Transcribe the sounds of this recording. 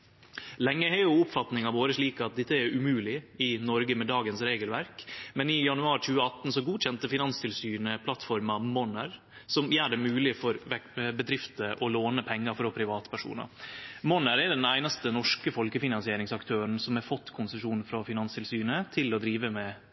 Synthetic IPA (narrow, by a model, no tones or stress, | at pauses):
lɛŋːəhɛjʊʊpfɑt̪nɪŋɑʋoːɾəʂɭiːkɑt̪̚d̪ɛt̪ːəɛɾʉmʉːlɪɪnɔɾɡəmɛd̪ɑːɡənsɾeːɡəlʋæɾkmɛnɪjɑnʉɑːɾc͡çʉːəɑt̪n̩sɔɡuːc͡çɛnt̪əfɪnɑnst̪ʰɪlsyːnəpʰlɑt̪fɔɾmɑmɔnəɾ | sɔmjæːɖɛmʉːlɪfɔɾʋɛbəd̪ɾɪft̪əʔɔloːnəpʰɛŋːɑfɾɔpʰɾɪʋɑːt̪ə̥pʰæʂṵːnɑ̰mɔnəɾɛɖɛnæɪnɑst̪ənɔʂkəfɔlkəfɪnɑnsɪeːɾɪŋsɑkt̪ʰøːɾən̩sɔmɛfɔt̪ːkʰʊnsəʂuːnn̩fɾɑfɪnɑnst̪ʰɪlsyːnət̪ʰɪlɔd̪ɾiːʋəmɛ